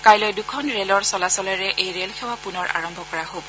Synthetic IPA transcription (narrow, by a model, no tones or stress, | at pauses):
kajlɔjdʊkʰɔnɹelɔɹsɔlasɔlɛɹɛʔejɹelxʰɛwapunɔɹʔa̰ɹɔmbʱɔkɔɹaɦobɔ